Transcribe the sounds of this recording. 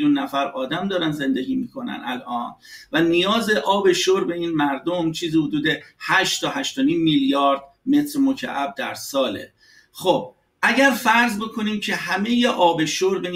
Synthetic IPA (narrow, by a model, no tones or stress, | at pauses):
unːæfæɾɒːd̪æmd̪ɒːɾænze̞nd̪eɡʲiːmiːkʰo̞næ̰næ̰lʔɒːnvænijɒːze̞ʔɒːbe̞ʃoɾbe̞iːnmæɾd̪o̞mt͡ʃʰiːzihod̪uːd̪e̞hæʃt̪t̪ɒːɦæʃt̪oniːmːiljɒːɾd̪̥ | me̞t̪ʰɾmocʰæ̰ʔæb̚d̪æɾsɒːle̞̰ | xob̥̚ | ʔæɟæɾfæɾzbe̞kʰo̞niːmcʰe̞ɦæmejeʔɒːbe̞ʃoɾbe̞